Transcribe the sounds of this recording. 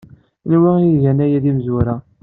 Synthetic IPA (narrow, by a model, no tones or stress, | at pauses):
nwæiʝænæjæðimzuɾæ